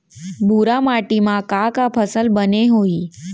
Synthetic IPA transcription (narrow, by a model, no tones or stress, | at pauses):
bʱuɾamaʈimãkakapʰəsəlbəneɦoi